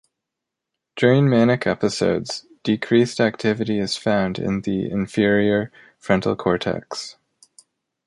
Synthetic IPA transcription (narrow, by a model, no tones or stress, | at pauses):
d̥ʊɹɪ̃ŋmænɨkʰɛpɨsoʊdz̥ | d̥ɨkʰɹ̥istæk̚tʰɪvɨɾiɨz̥fãʊ̃ndɪ̰̃nðiɪ̰̃ɱfɪɹiə˞ | fɹɛ̃ntˡl̩ˠkʰɔɹtʰɛ̰ks